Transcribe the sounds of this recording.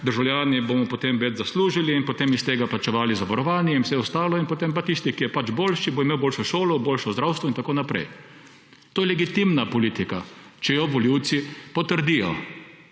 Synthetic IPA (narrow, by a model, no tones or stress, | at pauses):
d̪əɾʒawlʲjaːnibomɔpot̪emʋɛd͡ʒzasluːʒiliːnpɔt̪eːmist̪eːɡaplat͡ʃɛʋaːlizaʋaɾɔʋaːnjɛinwsɛɔst̪aːlɔinpot̪empat̪ist̪ikijɛpat͡ʃboːlʃibɔimeːwboːlʃɔʃoːlɔboːlʃɔzd̪ɾawst̪ʋɔint̪akoːnapɾɛ̰j | t̪oːjɛlɛɡit̪imnapɔliːt̪ikat͡ʃɛjɔʋɔljiwt̪sipɔt̪əɾd̪ijɔ̰